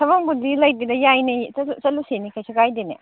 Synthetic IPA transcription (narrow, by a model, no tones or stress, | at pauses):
tʰɐbɐŋbudilɐjdidɐjajniut͡ʃɐlusenikʰajsikajdenḛ